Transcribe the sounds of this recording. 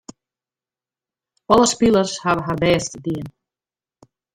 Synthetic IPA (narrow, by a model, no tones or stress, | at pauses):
ɔlˠəspilˠərshaʋəɦarbɛːstədiən